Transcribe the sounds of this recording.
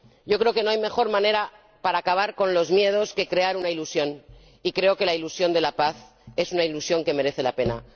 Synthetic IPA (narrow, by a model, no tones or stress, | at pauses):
ɟ͡ʝo̞kɾe̞oke̞no̞ajme̞xo̞ɾmãne̞ɾa | paɾaːkaβ̞aɾko̞nlo̞zmje̞ð̞o̞ske̞kɾe̞aɾunailusjo̞n | ikɾe̞o̞ke̞lailusjo̞nd̪e̞lapaθ | e̞sunailusjo̞ŋke̞me̞ɾe̞θe̞lape̞na̰